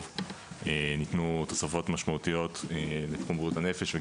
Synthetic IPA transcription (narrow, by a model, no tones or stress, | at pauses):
enitnut̪osafo̞t̪maʃmaut̪ijo̞t̪elet̪χumuthanefeʃve